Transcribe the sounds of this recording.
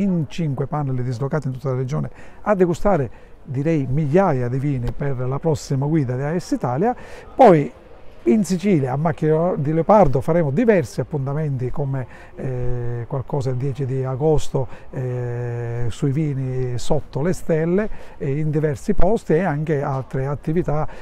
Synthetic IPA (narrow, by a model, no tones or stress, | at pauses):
int͡ʃiŋkwepanːeld̪izlokaːt̪int̪u̥t̪ːalared͡ʒɔːnead̪ːeɡust̪aːɾed̪iɾɛjmiʎːaːjad̪iviːniperlapɾɔsːimaɡwiːd̪ad̪iaɛsːit̪aːljapɔj | insit͡ʃiːljaːmːakːd̪ileopaɾd̪ofaɾɛːmʊd̪ivɛrsiapːunt̪amɛnt̪ikome | kwalkɔːsaild̪jɛːt͡ʃid̪iaɡɔst̪oɛ | suiviːnisot̪ːolest̪ɛlːeind̪ivɛrsipɔst̪iɛaŋkealt̪ɾeat̪ːivit̪a